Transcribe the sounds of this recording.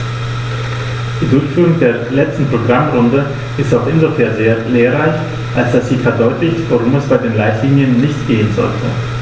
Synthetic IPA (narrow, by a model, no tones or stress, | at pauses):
d̥iːdʊɐʁçfyːʁʊŋdeːɐlɛt͡stn̩pʁ̥oɡʁamʁʊndə | ʔɪstaʊxʔɪnzofɛɐzeːɐleːɐʁaɪç | ʔalsd̥asz̥iːfɛɐdɔʏtlɪçtv̥aʁʊmɛsb̥aɪdeːnlaɪtʰliːnjənːɪçtɡ̥eːənzɔ̰ltʰə